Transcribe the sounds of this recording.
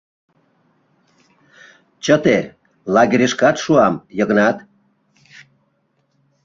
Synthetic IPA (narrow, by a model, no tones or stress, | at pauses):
t͡ɕət̪e | lɑɣʲeɾʲeʃkɑt̪ʃuɑmjə̆ɣə̆nɑt̪